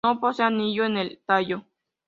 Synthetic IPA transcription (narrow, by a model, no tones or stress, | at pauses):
oposeanijoenelt̪ajo